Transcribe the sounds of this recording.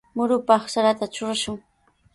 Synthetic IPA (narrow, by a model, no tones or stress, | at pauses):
mʊɾʊpɑχsaɾat̪at͡ʃʊɾaʃʊŋ